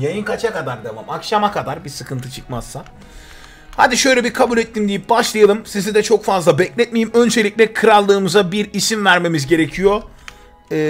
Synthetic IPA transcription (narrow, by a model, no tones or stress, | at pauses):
jajɯnkat͡ʃʰakad̪aɾd̪emamakʃamakʰad̪aɾbisɯkʰɯnt̪ʰɯt͡ʃʰɯ̥k̚mazːa | ha̰d̪iʃø̞jlʲɛbikʰabulʲɛt̪ːimd̪ijip̚baʃlˠajalˠɯmsizid̪ɛt͡ʃʰo̞kfazlˠabɛclʲɛt̪̚mejimø̞nd͡ʒe̞lʲicʲlʲɛkʰɯɾalˠːɯːmɯzabiɾisinvæɾme̞mizɟe̞ɾe̞cʰijo̞ | ɛː